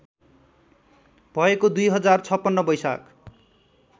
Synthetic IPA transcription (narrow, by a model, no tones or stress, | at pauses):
b̥ʱʌekod̪ujɦʌd͡zart͡sʰʌpːʌnːʌbʌjsa̰k